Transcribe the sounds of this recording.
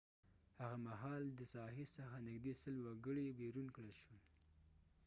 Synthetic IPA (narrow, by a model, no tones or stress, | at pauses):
haɣamaɦɑld̪əsɑɦesəxanɪɡd̪esəlwaɡəɽibeɾunkɽəlʃu